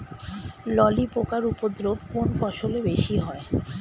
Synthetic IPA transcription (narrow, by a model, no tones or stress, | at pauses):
lɔlipokaɾupod̪ɾobkonfɔʃolebeʃiɦɔe